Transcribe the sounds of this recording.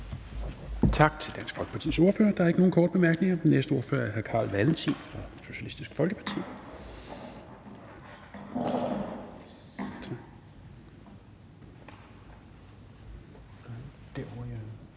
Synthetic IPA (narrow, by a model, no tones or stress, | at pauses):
t͡sʰɑ̈ɡ̥̚t͡sʰe̝ld̥æn̰sɡ̥fɒ̽lɡ̥ə̥pʰɑ̈t͡sʰḭːso̝ɐfø̰ːɐd̥ɑ̈æɐeɡ̥əno̝ːn̩kʰɒːd̥əb̥e̝mæɐɡ̥ne̝ŋɐ̥nesd̥əo̝ɐfø̰ːɐæɐɦæɐkʰɑ̰̈ːlʋælənt͡sʰḭːfʁɑ̈so̝ɕælisd̥isɡ̥fɒ̽lɡ̥əpʰɑ̈t͡sʰḭː | d̥